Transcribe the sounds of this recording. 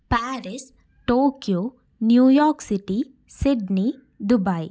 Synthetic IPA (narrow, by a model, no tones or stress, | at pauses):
paːɾis | ʈoːkjo | njuːjɔːɾksiʈi | siɖni | d̪ubaj